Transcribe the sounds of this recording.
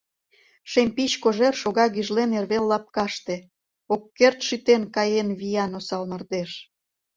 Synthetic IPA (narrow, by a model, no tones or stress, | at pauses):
ʃemʲpit͡ɕkoʒerʃoɣɑɣyʒlenerβelːɑp̚kɑʃt̪ĕ | okːert̪ʃyt̪enkɑjenβijɑnosɑlmɤ̆rd̪eʃ